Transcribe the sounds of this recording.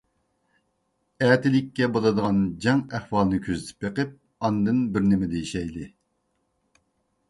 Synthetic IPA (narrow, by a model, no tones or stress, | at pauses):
æːt̪ɪlɪkʲːɛbolˠɨd̪əʁɑnd͡ʒɑŋæχwɑlˠnɨkʲʰøzɪt̪ʰɪ̥p̚beqɨp̚ | ɑnd̪ɨnbɪɾnɪmɪd̪ɛjiʃɛjlɨ